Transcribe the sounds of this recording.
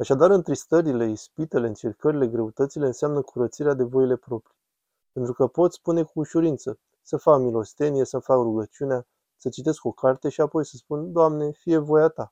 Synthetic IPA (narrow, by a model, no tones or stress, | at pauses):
aʃad̪aɾɨnt̪ɾist̪əɾile̞ispit̪e̞leɨnt͡ʃe̞rkəɾile̞ɡɾe̞ut̪ət̪sile̞ɨnseamnəkʰuɾət̪siɾead̪e̞vo̞jile̞pɾo̞pɾi | pe̞nt̪ɾukəpo̞t̪sʲspune̞kuːʃuɾint̪sə | səfakmilo̞st̪e̞nije̞səfakruɡət͡ʃiunea | sət͡ʃit̪e̞sko̞kʰart̪e̞ʃiapo̞jsəspund̪oamne̞fije̞vo̞jat̪a